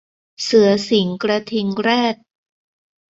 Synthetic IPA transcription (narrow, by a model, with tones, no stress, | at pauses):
sɯ˩˦ɐsi˩˦ŋkɾa˧t̪ʰi˧ŋɾɛː˥˩t̪̚